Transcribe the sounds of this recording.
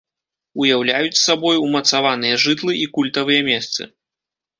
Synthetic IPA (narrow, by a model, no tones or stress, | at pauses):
ujawlʲajut͡sʲsabɔjumɐt̪savanɨjɐʐɨt̪lˠɨʔikulʲt̪ɐvɨjɐmʲɛst̪sɨ̰